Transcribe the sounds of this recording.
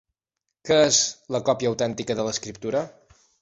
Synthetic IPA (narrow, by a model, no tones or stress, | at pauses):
kəezləkɔpjəːwt̪ɛnt̪ikəðələskɾip̚t̪uɾə